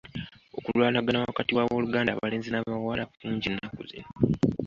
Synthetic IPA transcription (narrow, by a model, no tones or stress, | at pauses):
o̞kulwaːnaɡanawakatiwawoluɡaːndaβale̞ːnzinaβawalauːɲɟinːakṵzḭna